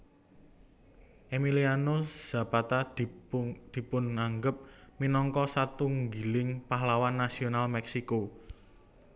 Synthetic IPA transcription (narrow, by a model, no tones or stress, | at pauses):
ʔemilianoz̥a̤pat̪a | d̪̥i̤pʊnŋaŋɡəp̚minɔŋkɔsat̪uŋɡilɪŋpaɦlawanːasionalmɛksiko